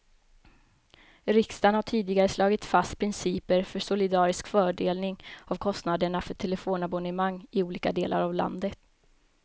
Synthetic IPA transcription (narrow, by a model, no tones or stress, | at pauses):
ɾɪkst̪anhaʈʰiːd̪ɪɡaɾəslɑːɡɪt̪fast̪̚pʰɾɪnsiːpəɾfœʂʊlɪd̪ɑːɾɪskfœːɖeːlnɪŋavkʰɔst̪nad̪əɳafœʈʰɛlɛfoːnabɔnɛmaŋːɪuːliːkad̪eːlʔa̰ɾavla̰nd̪ət̪